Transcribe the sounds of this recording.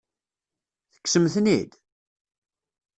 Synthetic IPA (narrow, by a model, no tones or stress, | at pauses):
θə̥kːsəmθnḭd̪